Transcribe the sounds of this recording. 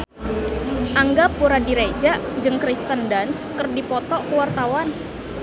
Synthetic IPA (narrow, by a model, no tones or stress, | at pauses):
ʔaŋɡapːuɾadiɾed͡ʒaʔd͡ʒɨŋkɾist̪əndanskərdipɔt̪ɔkəwart̪awan